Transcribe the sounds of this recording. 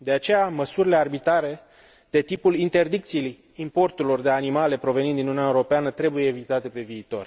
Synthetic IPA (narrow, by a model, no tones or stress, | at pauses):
d̪e̞at͡ʃe̞jaməsuɾile̞arbit̪ɾaɾe̞ | d̪̥e̞t̪ipulint̪e̞rd̪ik̚t̪silj | impo̞rt̪uɾilo̞rd̪e̞animale̞pɾo̞venind̪inununaeuɾo̞peanət̪ɾe̞bujeːvit̪at̪e̞pe̞viːt̪o̞̰r